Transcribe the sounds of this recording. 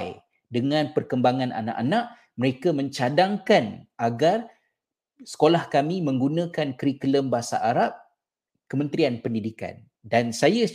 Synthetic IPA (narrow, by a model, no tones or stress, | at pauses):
j | dəŋãnpərkəmbaŋãnʔa̰na̰ʔanaʔ | məɾekamə̃ɲt͡ʃadaŋkanaɡar | sə̥kolahkamĩmə̃ŋɡunãkankɾikələmbaɦasa̰ʔaɾap̚ | kəmə̃nt̪ɾianpəndidika̰n | dansaja